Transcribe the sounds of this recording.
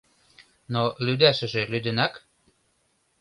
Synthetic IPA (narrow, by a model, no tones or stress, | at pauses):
nolyd̪æʃə̆ʒĕlyd̪ə̆nɑk